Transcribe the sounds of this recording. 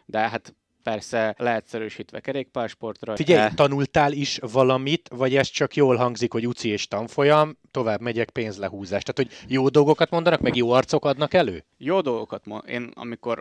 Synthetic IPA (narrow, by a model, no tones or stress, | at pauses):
d̪ɛɦat̪ | pɛrsɛlɛɦɛt̪sɛɾøːʃiːt̪ʋɛkɛɾeːk̚paːrʃpo̞rt̪rɒfiɟɛjt̪ɒnult̪aːliʃvɒlɒmit̪vɒɟɛst̪t͡ʃɒkjoːlɦɒŋɡzikho̞ɟut̪sieːʃt̪ɒɱfo̞jɒmt̪o̞vaːbmɛɟɛk̚peːnzlɛɦuːzaːʃt̪aːt̪ho̞ɟjoːd̪o̞lɡo̞kɒt̪mo̞nd̪ɒnɒkmɛɡjoːɒrt̪so̞kɒd̪nɒkɛlø̰ː | joːd̪o̞lˠɡokɒt̪moḛːnɒ̰miko̞r